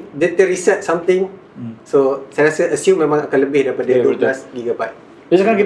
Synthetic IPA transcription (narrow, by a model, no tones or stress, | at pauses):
dɛt̪əɾisɛt̚sãmt̪ɪ̃ŋ | sosajɾasəʔəsjũmːẽmãŋakãnləbɪhdaɾipadadoɡlasɡiɡəpat̚ | id͡ʒakanki